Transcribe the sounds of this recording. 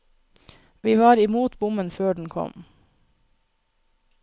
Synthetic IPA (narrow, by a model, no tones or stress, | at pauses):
ʋiːʋɑːɾɪmuːt̪bʊmənføːɖɳ̩kʰɔ̰m